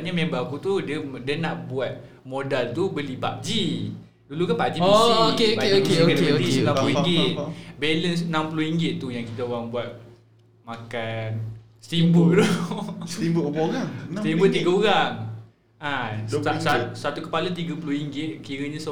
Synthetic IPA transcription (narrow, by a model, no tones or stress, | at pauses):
ɲamembakut̪udədənaʔbuat̪̚ | modalt̪ubəliba̰ʔd͡ʒi | dulukanpaʔd͡ʒiikepaeiokokadət̪isnãmpluiŋɡɪt̪̚bɛləns̬nãmpəluhiŋɡɪt̪̚t̪ːujaŋkit̪aoɣaŋbuat̪̚ | makan | st̪imbəd̪u | imbəoooɾaŋt̪imbət̪iɡaoɾaŋ | assasat̪ukə̥palat̪iɡapəluhiŋɡɪt̪̚kiɾəɲas